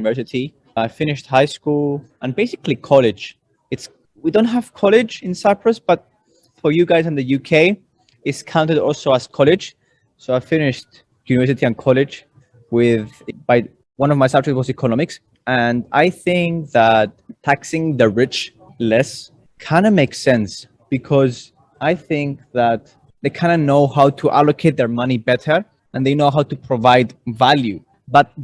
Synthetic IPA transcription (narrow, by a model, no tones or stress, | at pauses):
nɪvɜ˞sɨtʰi | aɪfɪ̃nɪʃt̚haɪskulˠʔə̃nbeɪsɪklikʰɔlɪd͡ʒ | ɨts | widõʊ̃nt̚ɦəv̥kʰɔlɪd͡ʒɪ̃nsaɪpʰɹəsb̥ʌt̚ | fə˞jɨɡaɪzɨ̃nðɨjʉkʰeɪ | ɪtskʰãʊ̃ntɨɾɔ̰lˠsoʊəz̥kʰɔlɪ̥d͡ʒ | soʊaɪfɪnɪʃt | jʉnɨvɛ˞sɨtiɨ̃nkʰɔlɪd͡ʒ | wɪðbaɪ | wʌ̃nɔvmajsʌb̚d͡ʒɛkt̚wɔzikʰɔnɔmɪks | ɨ̃na̰jθɪ̃ŋk̚ðat̚tʰːæksɪ̃ŋðəɹɪt͡ʃ | lɛs | kʰãɪ̃ndəmeɪksɛ̃ns | b̥ɨkʰɔz | ajθɪ̃ŋk̚ðæt̪ | ðejkʰãj̃nɨnoʊhawtʰuʔa̰lokʰeɪt̪̚ðə˞mʌ̃nibɛtə˞ | ə̃nðeɪnoʊɦawtupʰɹɔvaɪdvalju | bʌt̪̚